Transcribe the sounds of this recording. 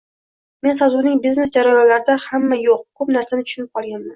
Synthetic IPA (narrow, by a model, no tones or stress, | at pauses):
me̞nsazunɪŋbizne̞sd͡ʒaɾajɒnlaɾɪd̪ahamːajoq̚kʰɵpnaɾsanɪt̪ʰʊ̥ʃʊnɪp̚qʰɒlˠɡʲanman